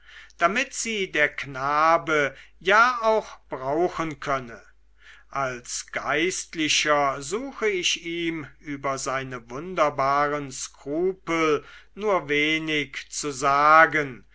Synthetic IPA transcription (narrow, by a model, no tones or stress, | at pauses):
d̥amɪtz̥iːdeːɐknaːbəjaːaʊxb̥ʁaʊxənkʰœnə | ʔalsɡ̥aɪstlɪɕɐzuːxəɪʃiːmʔyːbɐzaɪnəvʊndɐbaːʁənskʁ̥uːpəl̩nuːɐveːnɪkt͡suzaːɡən